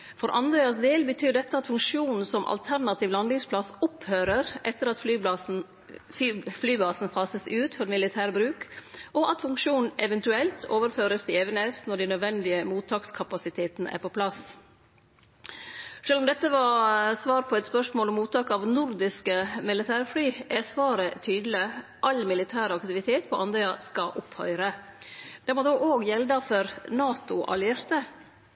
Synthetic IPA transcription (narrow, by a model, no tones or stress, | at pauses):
fɔɾʔɑnd̪ɾɛːɑsd̪eːlbət̪ʰyːɖɛt̪ːəɑt̪fʉŋkʂjuːnn̩sɔmʔɑ̰lt̪ʰæɾnɑt̪ʰiːʋlɑnd̪ɪŋspʰlɑsɔphøːɾəɾʔɛt̪ːəɾɑt̪flyː | flyːbɑːsn̩fɑːsəsʉːt̪fɔɾmɪlɪt̪ʰæːɾbɾʉːkʔɔʔɑt̪fʉŋkʂuːnn̩ɛʋɛnt̪ʉɛlt̪ʰoːʋəɾføːɾəsd̪ɪɛʋənesnɔɖinœd̪ʋɛnd̪ɪəmuːt̪ʰɑːkskʰɑpɑsɪt̪ʰeːt̪nəʔæ̰ːɾpɔpʰlɑs | ʂøːlɔmd̪ɛt̪ːəʋɑsʋɑːɾpʰɔɛt̪spœʂmoːlɔmːuːt̪ʰɑːkɑʋnʊɾd̪ɪskəmɪlɪt̪ʰæːɾflyːʔæsʋɑːɾət̪ʰyːd̪lɪʔɑlmɪlɪt̪ʰæːɾɑkt̪ɪʋɪt̪ʰeːt̪pʰɔʔɑnd̪eɑskɑʔʊphœ̰ʏɾə | d̪̥ɛmod̪oːʔoːɡjɛld̪ɑfɔɾnɑːt̪ʊʔɑ̰lɪeːɾt̪ə